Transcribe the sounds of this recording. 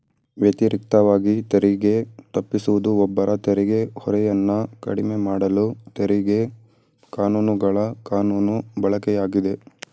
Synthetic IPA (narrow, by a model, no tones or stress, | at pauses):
ʋjɐt̪iɾik̚t̪ɐʋaːɡit̪eɾiɡe̞t̪ɐpːisuʋud̪uɔbːɐɾʔɐt̪eɾiɡe̞hɔɾɛjɐnːɐkɐ̰ɽimemaːɽɐlut̪eɾiɡe̞ | kaːnuːnuɡɐɭɐkaːnuːnubɐɭɐkɛjaːɡid̪e̞